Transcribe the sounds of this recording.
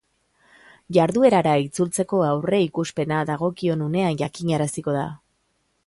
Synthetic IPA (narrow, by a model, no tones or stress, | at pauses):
ʝaɾðue̞ɾaɾait͡sult͡se̞ko̞awre̞ikuspe̞naðaɣ̞o̞kio̞nune̞anʝakiɲaɾasiko̞ða̰